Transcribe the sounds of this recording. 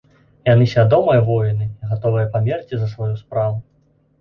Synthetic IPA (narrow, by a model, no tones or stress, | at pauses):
janɨsʲvʲad̪ɔmɐjɐvɔjinɨiɣat̪ɔvɨjɐpamʲɛrt͡sʲizɐsvajuspɾavu